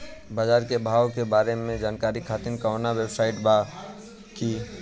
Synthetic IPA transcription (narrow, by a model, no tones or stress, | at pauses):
baːd͡ʒaːɾkebʱaːwkebaːɾemẽd͡ʒaːnkaːɾikʰaːt̪inkaʊnawebsaɪʈba | ki